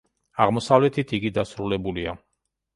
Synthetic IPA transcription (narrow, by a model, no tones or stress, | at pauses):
aʁmɔsavlɛt̪ʰit̪ʰiɡid̪asɾulɛbulia̰